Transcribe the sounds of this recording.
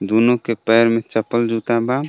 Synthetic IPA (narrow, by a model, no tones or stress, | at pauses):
d̪unokepəɦɾmet͡ʃəpəld͡ʒut̪aba